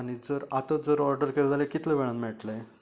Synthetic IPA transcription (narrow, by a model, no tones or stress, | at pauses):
aɽ̃id͡zəɾat̪əd͡zəɾɔɾɖəɾkeɾd̪alekit̪leʋeɭ̃at̪meʈle